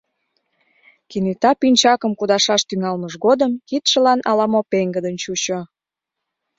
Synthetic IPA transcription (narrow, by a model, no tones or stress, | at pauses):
kinyt̪ɑpinʲt͡ɕɑkəmkud̪ɑʃɑʃt̪yŋɑlməʃɣod̪əmkit̪ʃə̆lɑnʔɑlɑmopeŋɡəd̪ənt͡ɕut͡ɕo